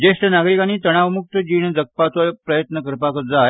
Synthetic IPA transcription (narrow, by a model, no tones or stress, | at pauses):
d͡ʑesʈənaɡɾikañiːt̪əɽ̃aʋmuk̚t̪əd͡ʑiːɳ̃d͡zək̚pat͡s̪ɔjpɾəjət̪nəkəɾpakəɾd͡zaj